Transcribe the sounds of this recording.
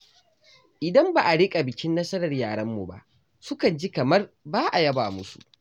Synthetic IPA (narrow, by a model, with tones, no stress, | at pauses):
ʔɪ˨dɐ˦mba˨ʔa˨ɽɪ˦kʼa˨bɪ˨kʲɪ˦nːɐ˦sɐ˦ɾɐ˨rjaː˨ɽɐ˦mːu˨ba̰˦˨ʔ | sʊ˦kɐ˨nd͡ʒi˦kɐ˨mɐ˦rbaː˦ʔa˨jɐ˦baː˨mʊ˦sṵ˨ʔ